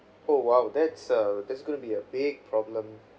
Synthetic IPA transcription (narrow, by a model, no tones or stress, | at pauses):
owawd̪ɛtsʌd̪ɛtsɡõnəbiəbɪɡ̚pʰɹɔblə̃m